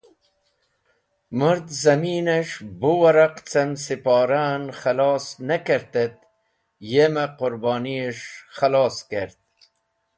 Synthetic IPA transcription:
məɾd̪zɐmiːneʂbuwɐɾɐqt͡sɐmsipɑːɾanχɐlɑːsnɐkeɾt̪et̪̚ | jemɐqʊɾbɑːnieʂχɐlɑːskeɾt̪̚

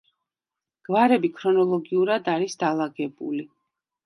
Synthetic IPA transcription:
ɡ̥vaɾɛbikʰɾɔnɔlˠɔɡiuɾad̪aɾisd̪alˠaɡɛbṵli

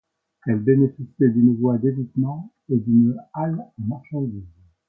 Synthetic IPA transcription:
ɛlbenefisjɛd̪ynvwad̪evit̪mɑ̃ | ed̪ynalmaʁʃɑ̃d̪iːz

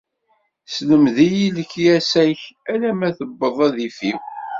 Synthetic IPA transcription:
sləmðijiləkjæsæçælæmæθəbːəðˤæðifiw

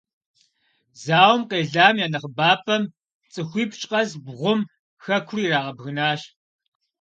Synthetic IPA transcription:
zaːwmqeːɮaːmjaːnɐχbaːpʰʼɐm | t͡sʼɨxʷiːpʰt͡ʃʼqɐzbʁʷʊm | xɐkʷʰriːɾaːʁɐbɣɨnaːʃ

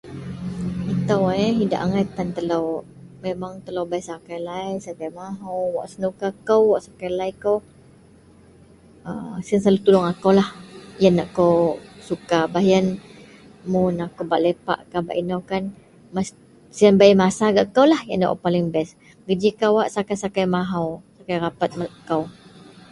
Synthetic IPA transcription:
it̪awaɦida̰ʔaŋat̪ant̪əlowmemaŋt̪əlowbaisakajlajsakajmaɦuwa̰ʔsənukakəwwaʔsakajlajkow | əmsiənsalut̪ulʊŋakowlahjənːaʔkowsukabaɦjən | munakowba̰ʔlepa̰ʔkaba̰ʔinawkan | mas | siənbajmasaɡaʔkawlahjanːa̰ʔpalɪŋbɛs | ɡəd͡ʒikawaʔsakajsakajmaɦawsakajrapat̪̚mʔkaw

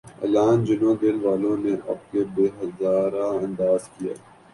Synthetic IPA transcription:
ɐ̰laːnd͡ʒɪnõd̪eːlʋaːlõneʔɐ̰b̚kebeːɦɐzaːɾaɐ̃nd̪aːzkija̰ː

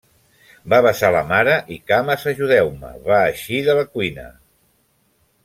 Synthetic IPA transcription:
baβəsalə̰maɾəʔikaməzəʒuðɛwmə̰βaːʃiðələkwinə̰

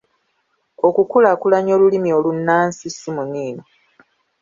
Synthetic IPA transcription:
o̞kukulakulaɲo̞ːlulimio̞lunːaːnsisimuniːno

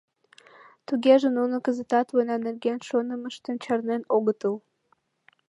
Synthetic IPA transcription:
t̪uɡʲeʒə̆nunəkəzət̪ɑt̪wənɑnerɡʲenʃonəməʃt̪ə̆nt͡ɕɑrnenoɣət̪əw

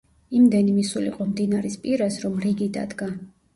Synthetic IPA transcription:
imd̪ɛnimisulḭqʼɔmd̪inaɾispʼiɾasɾɔmɾiɡid̪a̰d̪ɡa

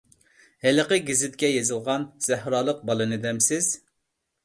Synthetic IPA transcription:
hɛləqəɡʲizɪt̪̚kʲɛjezɨlˠʁɑnz̥æhɾɑːlˠəq̚bɑlˠɨnɨd̪ɛmsɪz̥

